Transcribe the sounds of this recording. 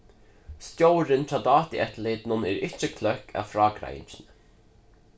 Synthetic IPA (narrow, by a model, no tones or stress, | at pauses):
st̪jowɾɪnt̪ʰɾaːd̪ɑːt̪iʔɛt̪lɪd̪nɔnɛːɾɪht͡ʃːəkʰlœhka̰fɾɑːɡɾa̰jɪ̰nt͡ʃɪnə